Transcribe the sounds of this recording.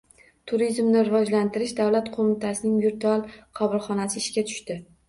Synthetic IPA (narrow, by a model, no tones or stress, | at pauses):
t̪ʰʊɾizmnɪɾɪvɒd͡ʒlant̪ʰɪɾɪʃd̪awlat̪qʰomɪt̪ʰasɪnɪŋvɪɾt̪ʰalˠqʰɒbɪlˠχɒnasɪːʃkʲat̪ʰʊ̥ʃt̪ɪ